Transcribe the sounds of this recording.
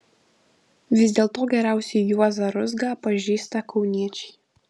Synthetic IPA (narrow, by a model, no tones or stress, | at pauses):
ʋʲɪzʲd̪ʲeːlˠt̪oːɡʲɛɾʲæˑʊsʲɛjjuɔzɐɾʊzɡɑːpɐʒʲiːst̪ɐkʰɒʊnʲiɛt͡ʃʲɛ̥ɪ